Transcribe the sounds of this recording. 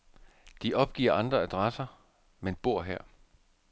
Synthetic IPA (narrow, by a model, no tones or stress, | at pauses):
d̥iʔɒ̽b̥̚ɡ̥ḭːɐɑ̈nd̥ʁɐæd̥ʁɑsɐ | menb̥o̝ɐ̰ɦɛɐ̰